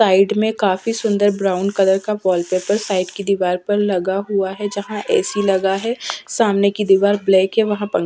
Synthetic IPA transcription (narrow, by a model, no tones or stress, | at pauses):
aːɪɖmẽkaːfisʊ̃nd̪əɾbɾaːʊnkɐd̪əɾkaʋɔːlpeːpəɾsaːɪɖkid̪iːʋaːɾpɐɾlɐɡaɦuaɦɛd͡ʒɐɦãʔɛ̰ːsilɐɡaɦɛsaːmnekid̪iːʋaːɾbleːkɦɛʋɐɦãpɐ̃ŋ